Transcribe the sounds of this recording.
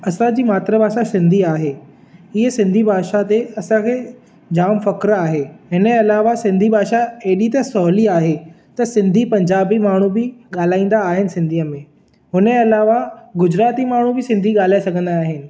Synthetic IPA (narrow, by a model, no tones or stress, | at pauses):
ɐsãd͡ʑiːmaːt̪ɾəbʱaːʃasɪ̃nd̪ʱiaːɦe | ɪɦəsɪ̃nd̪ʱibʱaːʃat̪eɐsãkʰeː | d͡ʑaːmfɐkɾaːɦeɦɪnɐlaːʋasɪ̃nd̪ʱibʱaːʃaeːɗit̪ɐsɔɦliaːɦe | t̪ɐsɪ̃nd̪ʱipɐ̃ɲd͡ʑaːbimaːɳ̤ubɪɠaːl̤aːĩːn̆d̪aːɦɪnɪ̆sɪ̃nd̪ʱiːəmẽ | ɦʊnẽɐlaːʋaɡʊd͡ʑɾaːt̪imaːɳ̤ubɪsɪ̃nd̪ʱiɠaːl̤aːesɐɡʱə̃nd̪aːɦɪnɪ̆